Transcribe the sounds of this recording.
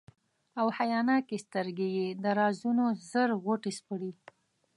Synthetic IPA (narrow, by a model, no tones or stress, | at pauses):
awhajɑnɑkest̪əɾɡejed̪əɾɑzunozəɾɣoʈespəɽi